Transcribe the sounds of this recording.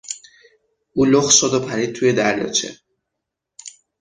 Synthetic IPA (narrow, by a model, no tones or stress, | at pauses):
uːloxʃod̪opʰæɾiːd̪̚t̪ʰuje̞d̪æɾjɒ̰ːt͡ʃʰḛ